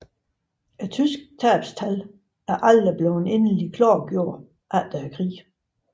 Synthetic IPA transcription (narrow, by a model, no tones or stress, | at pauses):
æt͡sʰysɡ̥̚t͡sʰæːb̥st͡sʰæl | æɐʔæld̥əb̥lone̝nəlikʰlɑ̰ːɡ̥jo̝ɐ̰̥ | ʔæld̥æækʰʁḭː